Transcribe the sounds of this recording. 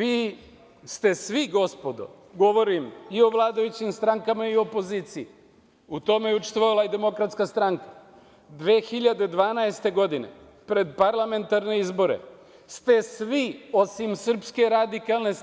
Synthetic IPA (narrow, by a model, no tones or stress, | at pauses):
ʋiː | st̪e̞sʋiɡo̞spod̪o̞̰ | ɡo̞ʋo̞ɾimio̞ʋlˠaːd̪ajut͡ɕimst̪ɾaŋkamaiopo̞ziːt̪sii | ut̪o̞me̞jut͡ʃe̥st̪ʋoalaid̪e̞mo̞kɾat̪skast̪ɾaŋkḁ | d̪ʋeːxiʎad̪e̞d̪ʋaːnaest̪e̞ɡo̞d̪ine̞̰ | pɾe̞d̪paɾlˠame̞nt̪aɾne̞izbo̞ɾe̞̰ | st̪e̞sʋio̞simsr̩pske̞ɾad̪ikalˠne̞s